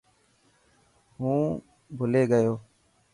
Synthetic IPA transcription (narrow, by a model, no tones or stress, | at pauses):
ɦũː | bʱʊleːɡəjoː